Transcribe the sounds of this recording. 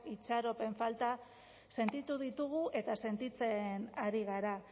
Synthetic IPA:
it͡ʃaɾo̞pe̞ɱfalt̪a | se̞nt̪it̪uðit̪uɣuʔe̞t̪ase̞nt̪it͡se̞naɾiɣaɾa

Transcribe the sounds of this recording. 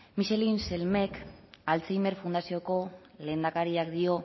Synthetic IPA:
miʃe̞linse̞lme̞kalt͡sejme̞ɾfund̪asio̞ko̞le̞ːnd̪akaɾiakd̪io̞

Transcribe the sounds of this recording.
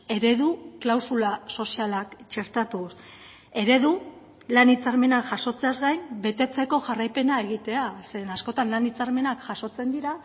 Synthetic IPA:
e̞ɾe̞ðuklawsulaso̞sialakt͡ʃe̞ɾt̪at̪us | e̞ɾe̞ðu | lanit͡saɾme̞nakʝaso̞t͡se̞azɡajmbe̞t̪e̞t͡se̞ko̞ʝarajpe̞nae̞ɣit̪e̞asenasko̞t̪anlanit͡saɾme̞nakʝaso̞t͡se̞nd̪iɾa

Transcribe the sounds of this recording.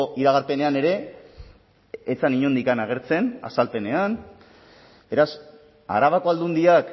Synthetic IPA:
oʔiɾaɣ̞aɾpe̞ne̞ane̞ɾe̞ | t͡saniɲo̞nd̪ikanaɣ̞e̞ɾt͡se̞na̰salpe̞ne̞an | be̞ɾas | a̰ɾaβako̞ald̪und̪iak

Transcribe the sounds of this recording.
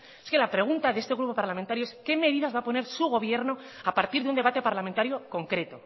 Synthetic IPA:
eske̞lapɾe̞ɣ̞unt̪aðeest̪eɣɾupo̞paɾlamẽnt̪aɾjoeske̞me̞ðiðazβapo̞ne̞ɾsuɣ̞o̞β̞je̞ɾno̞ | apaɾt̪iɾðeund̪e̞βat̪e̞paɾlamẽnt̪aɾjo̞ko̞ŋkɾe̞t̪o̞

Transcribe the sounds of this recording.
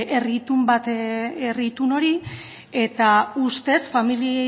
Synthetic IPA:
ʔe̞rit̪umbat̪erit̪uno̞ɾi | e̞t̪aust̪e̞sfamilie

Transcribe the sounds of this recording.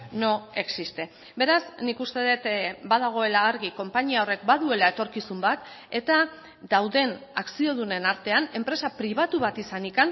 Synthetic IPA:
no̞e̞ksist̪e̞ | be̞ɾasnikust̪e̞ðet̪baðaɣ̞o̞e̞laːɾɣiko̞mpaɲiao̞re̞k̚baðue̞lae̞t̪o̞ɾkisumbat̪ | e̞t̪a | d̪awðe̞naksio̞ð̞une̞naɾt̪e̞ane̞mpɾe̞sapɾiβ̞at̪uβ̞at̪isanikan

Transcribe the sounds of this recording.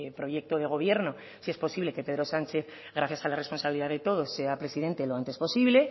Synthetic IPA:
pɾo̞ʝe̞k̚t̪oð̞e̞ɣ̞o̞β̞je̞ɾno̞ | sie̞spo̞siβle̞ke̞pe̞ðɾo̞sant͡ʃe̞θ | ɣɾaθjasalare̞spo̞nsaβiliðaðe̞t̪o̞ð̞o̞sːe̞apɾe̞siðe̞nt̪e̞lo̞ant̪e̞spo̞siβle̞

